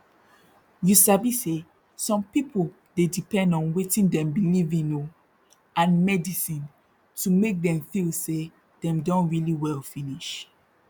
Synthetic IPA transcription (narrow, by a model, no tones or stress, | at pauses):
jisabise | sɔ̃mpipol | dedipɛ̃ndɔ̃nwetĩndɛ̃mbilivĩno | ãnmɛdisĩn | tumek̚dɛ̃mfilse | dɛ̃mdɔ̃ntɹiliwɛlfiniʃ